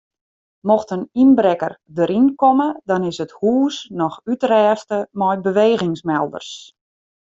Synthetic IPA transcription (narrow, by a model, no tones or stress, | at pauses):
mɔxtəninbɾɛkərdəɾʔinkɔmədɔnɪsəthuːsnɔxytrɛːstəmɔjbəʋeːɣɪŋsmɛlˠdə̰rs